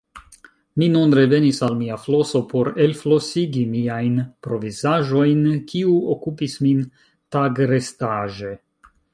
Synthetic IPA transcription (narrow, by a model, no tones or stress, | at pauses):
minunɾe̞ve̞nisalmiaflo̞so̞pʰo̞ɾe̞lflo̞siɡimiajnpɾo̞vizaʒo̞jnkʰiuokupismin | taɡɾestaʒe̞